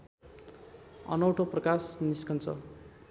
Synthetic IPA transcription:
ʌ̰nʌwʈʰoprʌkasniskʌnt͡sʰʌ̰

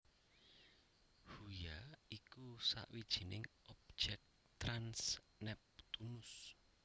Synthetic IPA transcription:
hujaikusa̰ʔwid̥ʒ̥i̤nɪŋʔɔb̥̚d͡ʒ̥ɛk̚ | t̪ɾans | nɛp̚t̪unʊs

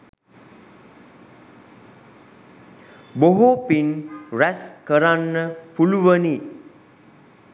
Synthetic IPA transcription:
boɦopinɾɛskəɾanːəpuluʋəni

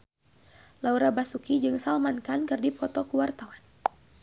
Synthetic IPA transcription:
lauɾabasukid͡ʒɨŋsalmankankɨrdipɔt̪ɔkuwart̪awan

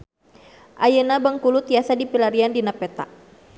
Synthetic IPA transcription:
ʔajənabəŋkulut̪iasadipilaɾiandinapɛt̪a̰

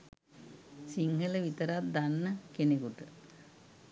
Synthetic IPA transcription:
siŋhələʋit̪əɾat̪̚d̪anːəkenekuʈə

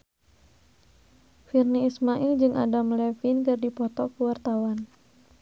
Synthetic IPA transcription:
firniːsmaʔild͡ʒɨŋʔa̰damlɛfinkɨrdipɔt̪ɔkəwart̪awan

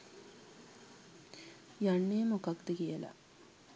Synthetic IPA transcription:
jaɳːejmokakd̪əkijəla̰

